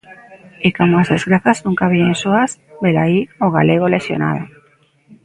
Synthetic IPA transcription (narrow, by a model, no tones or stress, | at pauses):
ikomoazðezɣɾaθaznũŋkaβiensoasbelaioɣa̰leɣ̞olesjo̰na̰ð̞o